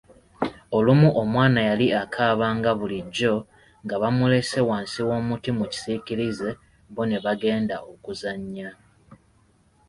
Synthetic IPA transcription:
o̞lumuʔomwaːnajaliakʰaːβaːŋɡaβuliɟːo̞ | ŋɡaβamule̞se̞waːnsiwo̞ːmutimuci̥siciɾize̞ | βone̞βaɡe̞ːndaʔo̞kuzaɲːa

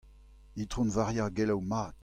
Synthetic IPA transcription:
it̪ʁɔ̃nvaʁjaɡɛlawmaːt̪

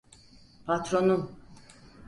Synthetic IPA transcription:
pat̪ɾonum

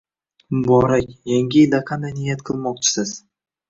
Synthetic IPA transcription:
mʊbɒɾakʲjaŋʲɪjɪld̪aqʰand̪ajnɪjat̪qʰɨlˠmɒq̚t͡ʃʰɪ̥sɪz̥

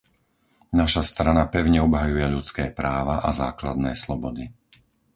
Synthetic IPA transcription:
naʃast̪ɾanapɛʊɲɛɔbɦajujɛʎut͡skɛːpɾaːʋaʔazaːklad̪nɛːslɔbɔd̪i

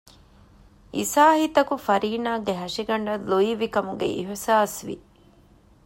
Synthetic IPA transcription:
isaːhit̪ɐkufɐɾiːnaːɡeɦɐʂiɡɐɳɖɐluiʋikɐmuɡḛʔḭɦsaːsʋḭ

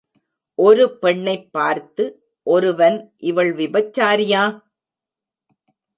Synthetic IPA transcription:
ʔɔɾɯpɛɳːɐɪpːaːɾt̪ɯ | ʔɔɾɯʋɐnʔɪʋɐɭʋɪbɐt͡ʃːaːɾɪjaː

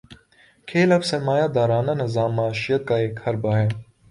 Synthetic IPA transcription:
kʰeːlɐfsemaːjaːd̪aːɾaːnanɪzaːmːaːʃɪjət̪̚kaːeːkhɐɾbaːɦɛː

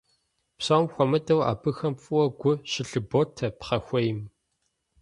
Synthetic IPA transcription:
psaːmxʷɔmɐdɐwa̰ːbɨxɐmfʼɨwɐɡʷʊɕɪɬɨboːtʰɐpχɐxʷɔjɪm

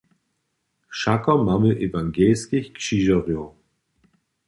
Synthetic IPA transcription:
ʃakɐmaməʔevaŋɡɛːskɪçkʃiʒɐʁjo

